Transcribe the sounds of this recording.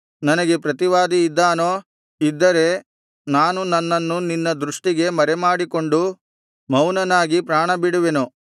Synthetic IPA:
nɐnɐɡe̞pɾɐt̪iʋaːd̪iːd̪ːaːnoː | id̪ːɐɾe̞ | naːnunɐnːɐnːuninːɐd̪ɾuʂʈiɡe̞mɐɾemaːɽiko̞ɳɖu | mɐwnɐnaːɡipɾaːɳɐbiɽuʋenu

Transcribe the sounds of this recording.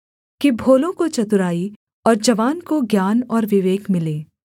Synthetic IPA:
kibʱoːlõkot͡ʃɐt̪ʊɾaːi | ɔːɾd͡ʒɐʋaːnkoɡjaːnɔːɾʋɪʋeːɡmɪleː

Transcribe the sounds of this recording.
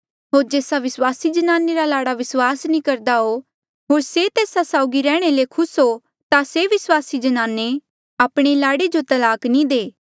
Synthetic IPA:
ɦoːɾd͡ʒeːsaʋɪswaːsid͡ʒɐnaːneɾalaːɽaʋɪswaːsnĩkɐɾd̪aɦo | ɦoːɾset̪eːsasaːʊɡiɾɛːɽ̃elekʰʊsɦo | t̪aseʋɪswaːsid͡ʒɐnaːne | aːpɽ̃elaːɽed͡ʒot̪ɐlaːknĩd̪eː

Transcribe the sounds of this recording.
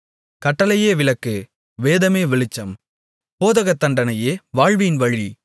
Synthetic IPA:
kɐʈːɐlɐjeːʋɪlɐkːɯ | ʋeːðɐmeːʋɪɭɪt͡ʃːɐm | poːðɐɣɐt̪ːɐɳɖɐnɐjeːʋaːɻʋɪjɪnʋɐɻi

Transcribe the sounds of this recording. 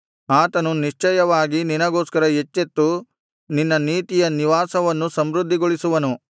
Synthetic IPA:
aːt̪ɐnuniʂt͡ʃɐjɐʋaːɡininɐɡoːskɐɾɐet͡ʃːet̪ːu | ninːɐniːt̪ijɐniʋaːsɐʋɐnːusɐmɾud̪ʱːiɡoɭisuʋɐnu

